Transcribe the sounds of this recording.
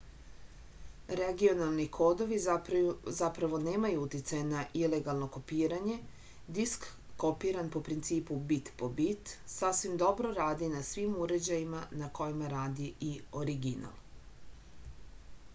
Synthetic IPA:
ɾeɡio̞nalˠnikʰo̞ːd̪o̞ʋi | zapɾaʋo̞ne̞ːmajuut̪jit̪sajenaʔile̞ɡalˠno̞ko̞piːɾaɲe̞ | d̪iskː | o̞piːɾanpo̞pɾint̪siːpubit̪pobit̪sasʋimd̪o̞bɾo̞ɾaːd̪inasʋimuɾe̞d͡ʑajimanako̞jimaɾaːd̪iio̞ɾiɡina̰lˠ

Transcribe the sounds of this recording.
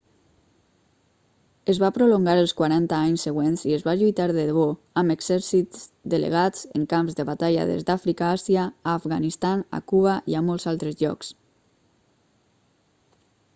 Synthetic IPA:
əzβapɾoloŋɡaɾəlˠskwaɾant̪aaɲsːəɣ̞wenziəzβaʎujt̪aɾðəðβo | əməɡz̥ɛɾsizd̪ələ̰ɣ̞at͡sə̰ŋkamzðəβat̪aʎa̰ðḛzd̪afɾikaasjaːfɣanist̪ana̰kuβaʔiamɔlˠzalˠt̪ɾəzʎɔ̰ks

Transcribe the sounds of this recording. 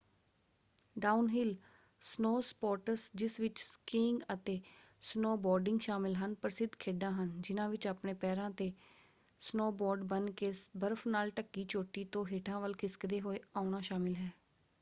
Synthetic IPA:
ɖaːunɦɪl | snoːspɔːɾʈəsd͡ʒɪsʋɪt͡ʃskiːŋɡət̪eː | snoːbɔːɾɖɪ̃ŋɡʃaːmɪlɦənpəɾsɪd̪kʰeːɖãːɦənd͡ʒɪnãːʋɪt͡ʃaːpɳeːpɛːɾãːt̪eː | snoːbɔːɾɖbənkeːsbəɾəfʰnaːlʈəkːiːt͡ʃoːʈːiːt̪õːɦeːʈʰãːʋəlkʰɪskd̪eːɦoːeːaːʊnaːʃaːmɪlɦɛː

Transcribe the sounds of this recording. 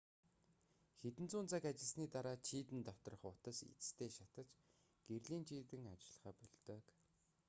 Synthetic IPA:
xet̪ɘ̆nt͡suːnt͡sakat͡ɕɪ̆ɮsniːt̪aɾaːt͡ɕʰiːt̪ɘ̆nt̪ɔt̪ɞ̆rɞ̆χʊt̪ə̆sḭt͡st̪ʰeːʃat̪ə̆t͡ɕ | ɡ̥erɮiːnt͡ɕʰiːt̪ɘ̆ŋat͡ɕɪ̆ɮ̆χaːpɔɮt̪œːk

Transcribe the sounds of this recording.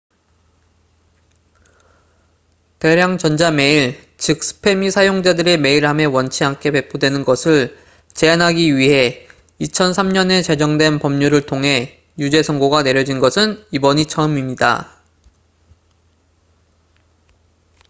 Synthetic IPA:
te̞ɾjaŋt͡ɕʌnd͡ʑame̞iɭ | t͡ɕɯk̚s͈ɯ̥pʰe̞misʰajoŋd͡ʑadɯɾeme̞iɾɦame̞wʌnt͡ɕʰiɦank͈ʰe̞pe̞pʰodwe̞nɯnɡʌsʰɯɭ | t͡ɕe̞anɦaɡiɥiɦe̞ | it͡ɕʰʌnsʰamɲʌne̞t͡ɕe̞d͡ʑʌŋdwe̞npʌmɲuɾɯɭtʰoŋɦe̞ | jud͡ʑe̞sʰʌŋɡoɡane̞ɾjʌd͡ʑinɡʌsʰɯnibʌɲit͡ɕʰʌɯmimɲida̰

